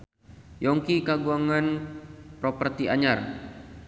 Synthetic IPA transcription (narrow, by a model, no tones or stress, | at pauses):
jɔŋkikaɡuaŋanpɾɔpərt̪iaɲar